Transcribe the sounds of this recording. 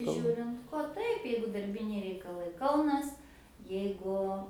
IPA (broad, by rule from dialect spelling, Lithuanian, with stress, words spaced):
ˈʒʲuːrʲɪnt koː ˈtɐɪp ˈjɛɪɡʊ dɐrʲˈbʲɪnʲɛɪ rʲɛɪkɐˈlˠɐɪ ˈkɐʊnɐs jɛɪˈɡʊ